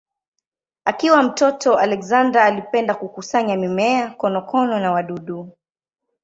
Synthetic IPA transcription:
akiwam̩tɔtʰɔalɛkzandɾaːlipɛndakukusaɲamimɛakɔnɔkɔnɔnawaɗuɗu

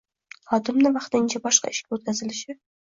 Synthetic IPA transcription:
χɒt̪ɪmnɪvɑχt̪ɪnt͡ʃʰabɒʃqɑ̰ɪʃkʲaot̪̚kʲazɪlɪʃɪ

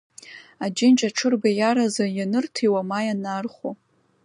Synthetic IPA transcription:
ad͡ʒɪnt͡ʃʼaʈ͡ʂʰɨrbajaɾazajanɨrtʰiwamajanarχo

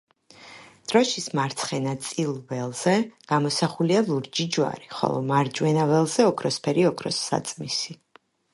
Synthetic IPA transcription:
d̪̥ɾɔʃismaɾt̪sʰχɛnat̪sʼilˠvɛlˠz̥ɛɡ̥amɔsaχulialˠuɾd͡ʒid͡ʒwa̰ɾiχɔ̰lˠɔ̰maɾd͡ʒwɛnavɛlˠzɛɔkʰɾɔspʰɛɾiɔkʰɾɔsːa̰t̪sʼmisi

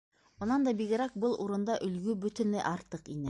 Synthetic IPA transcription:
ŏnɑnd̪ɑbiɣɘ̆ɾæk̚bɤlˠʔuɾɤ̆nd̪ɑʔɵ̆lɡʉbɵ̆t̪ɵ̆nlæ̰ʔɑɾt̪ɤqinɘ

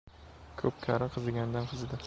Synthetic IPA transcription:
kʰɵp̚kʲʰaɾɪqʰɨzɪɡʲand̪anqʰɨzɪd̪ɪ

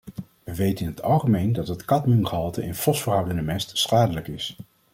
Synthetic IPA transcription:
ʋəʋejtənɪnɦətʰɑlˠχəmejndɑtɦətkɑtmynχəɦɑlˠtəʔɪnfɔsfəɹɦʌwdənəmɛstsχaːdələkɪs

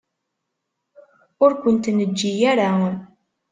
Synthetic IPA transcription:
ʊɾkʷənt̪nəd͡ʒːijaɾa

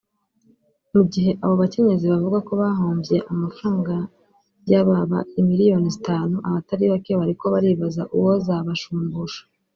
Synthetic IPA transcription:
muɟiɦe̞ʔaβo̞βace̞ɲe̞ziβavuɡako̞βaɦoːmbje̞ʔamafɾaːŋɡa | jaβaβa̰imiɾijo̞ːnizitaːnuʔaβataɾiβake̞βaɾiko̞βaɾiβazaʔuwo̞zaβaʃuːmbuʃḁ

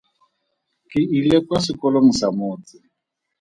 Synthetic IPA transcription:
kʼɪilɛkwasɪkʼɔloŋ̩samʊːt͡sɪ

